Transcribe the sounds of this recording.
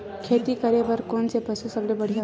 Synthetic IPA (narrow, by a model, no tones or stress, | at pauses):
kʰet̪ikəɾebəɾkonsepəsusəblebəɽ̤ʱija